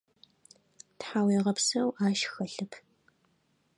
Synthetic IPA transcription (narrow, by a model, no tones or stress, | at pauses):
tħaːwiːʁɐpsɐwʔaːʃxɐɬɨpʰ